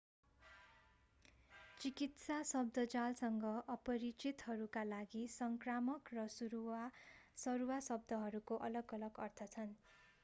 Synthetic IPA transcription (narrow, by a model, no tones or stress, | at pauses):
t͡sikit̪sasʌb̚d̪ʱʌd͡zalsʌŋɡʌʔʌpʌɾit͡sit̪ɦʌɾukalaɡisʌŋkramʌkrʌsuɾuasʌɾuwasʌb̚d̪ʱʌɦʌɾukoʔʌlʌɡʌlʌɡʌrt̪ʰʌt͡sʰʌn